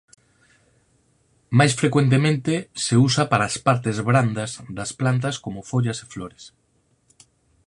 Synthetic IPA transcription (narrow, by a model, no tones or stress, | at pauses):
majsfɾekwent̪̬emẽnt̪eseusapaɾaːspaɾt̪ezβɾand̪azðasplant̪̬askomofoʎase̥floɾes